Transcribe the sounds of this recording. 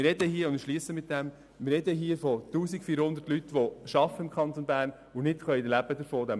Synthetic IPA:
ɪrɛdəhiəʊndʃliəsəmɪt̚d̥̪æm | mɪrɾːɛdəɦiəfɔt̪uːsikfiːɾhʊnd̪ərtlyt̪ːʋoʃɑfəɪmkʰχɑnt̪onbæːɾn | ʊnɪtχœidlæbəd̪əɾfoːd̪æm

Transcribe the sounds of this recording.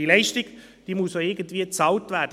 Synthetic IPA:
ilɛɪʃtɪkd̥iːmʊssoɪɡ̥ən̩tv̥iːət͡sɑʊtvɛɐdə

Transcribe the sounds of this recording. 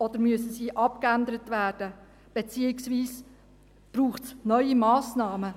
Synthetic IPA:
ɔd̥̪əɾmyəsəsiːʔɑp̚kænd̪əɾətvæːrd̥ə | b̥et͡siːɪksviːs | b̥ruːχtsnœʏimɑːsnɑːmə

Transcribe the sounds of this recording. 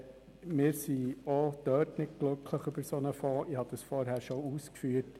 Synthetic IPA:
mɪːɾsiɔd̪̥œːtnɪd̚ɡ̥lʉkʰləχybəɾsɔnəfɔːʔihɑd̪əsfɔɾɦhæːɾʃouːskfyːəɾt

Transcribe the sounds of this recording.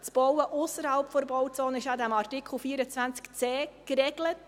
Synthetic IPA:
t͡sb̥ɔwəʔʊsəɾhɑlpfɔɾəbɔwt͡sɔːnəɪʃad̪æmɑrtikl̩fiːəɾət͡sʋænt͡skt͡sɛːkɾɛɡ̥lət

